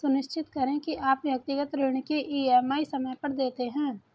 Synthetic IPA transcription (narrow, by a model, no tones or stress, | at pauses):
sʊnɪʃt͡ʃʰɪt̪kɐɾẽkiʔaːpjɐk̚t̪ɪɡət̪ɾɪːɳ̃keʔiːɛːmaːisɐməjpɐɾd̪eːt̪eɦɛ̃ː